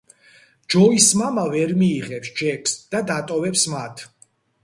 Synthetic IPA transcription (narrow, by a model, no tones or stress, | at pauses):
d͡ʒɔismamavɛɾmiːʁɛpsd͡ʒɛkʰsd̪̥ad̪at̪ʼɔvɛpsmat̪ʰ